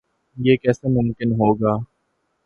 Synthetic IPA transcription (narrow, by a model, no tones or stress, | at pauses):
jeːkɛːsemʊmkɪnɦoːɡaː